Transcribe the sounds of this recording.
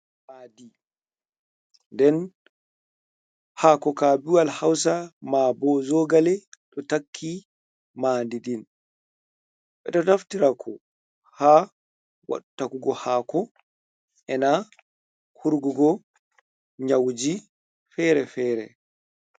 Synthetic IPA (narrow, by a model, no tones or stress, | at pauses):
haːdi | ndɛn | haːkɔkaːbiwalhaws̬amaːbɔzɔɡalɛɗɔtakʰːi | maːndidin | ɓɛ̰ɗɔtaftiɾakʰɔ | haː | wa̰ɗutakuɡɔhaːkɔ | ʔɛna | kʰuɾɡuɡɔ | ɲawd͡ʒi | fɛɾɛfɛːɾɛ̰